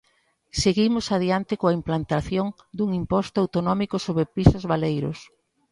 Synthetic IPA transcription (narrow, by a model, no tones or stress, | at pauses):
seɣimʊsað̞iant̪ɪkoaimplant̪aθjoŋ | d̪uŋimpɔst̪ʊawt̪onɔmikʊsoβɾepɾisʊzβalejɾʊ̰s